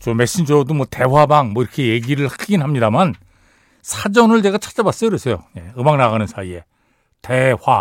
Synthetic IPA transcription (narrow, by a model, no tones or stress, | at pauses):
t͡ɕomeɕ͈ind͡ʑodomwʌte̞wabaŋmwʌiɾʌkʰe̞jeɡiɾɯɭhak͈ʰɡinɦamɲidaman | sʰad͡ʑʌnɯɭde̞ɡat͡ɕʰḁt͡ɕ͈abas͈ʌjokɯɾes͈ejo̰ɲe̞ɯmaŋnaɣanɯnsʰaie̞ | te̞wa